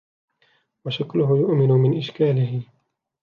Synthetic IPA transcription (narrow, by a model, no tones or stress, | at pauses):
waʃaklʊɦʊjʊʔmɪnʊmɪnʔɪʃkaːlɪɦɪ